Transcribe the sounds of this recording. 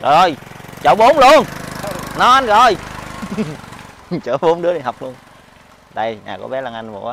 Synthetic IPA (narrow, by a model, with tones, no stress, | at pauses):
zɔ˨˩jt͡ɕə˧˨˩wɓo˨˦mlu˧ənnɔ˨˦ʔa˧nzɔ˨˩j | t͡ɕəː˧˦ɓo˨˦mɗɨ˨˥əɗi˨˩hɦa˨˩wk͡p̚lu˧ən | ɗə˧jɲa̰ː˨˩kɔ̰˨˧˦ɓɛ˨˦la˨˧˩ŋʔa˧jnvo̰˨˧˩a˧˦